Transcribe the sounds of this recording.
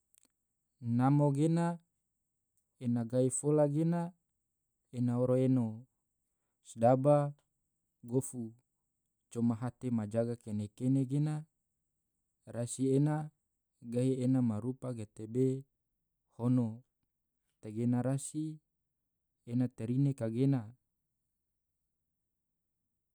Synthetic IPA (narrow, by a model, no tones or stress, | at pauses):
namoɡena | enaɡaifolaɡena | enaoɾoeno | sdaba | ɡofu | t͡ʃomaɦat̪emad͡ʒaɡakenekeneɡena | rasiena | ɡaienamaɾupaɡet̪ebe | hono | t̪eɡenaɾasi | enat̪eɾinekaɡena